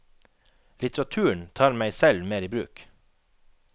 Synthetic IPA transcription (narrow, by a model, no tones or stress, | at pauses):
lɪt̪ɾɑt̪ʰʉːəɳ̩t̪ʰɑːɾmæɪsɛlmeːɾiːbɾʉ̰ːk